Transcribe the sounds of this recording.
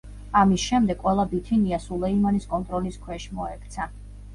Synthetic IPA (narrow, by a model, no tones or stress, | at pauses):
amisʃɛmd̪ɛɡ̥ʼwɛlˠabit̪ʰiniasulˠɛimaniskʼɔnt̪ʼɾɔliskʰwɛʃmɔɛkʰʼt̪sʰa